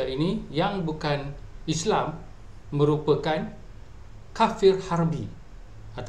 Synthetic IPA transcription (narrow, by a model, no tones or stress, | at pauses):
ainijaŋbukanislamː | ə̃ɾupəkan | kafɪrharbi | at̪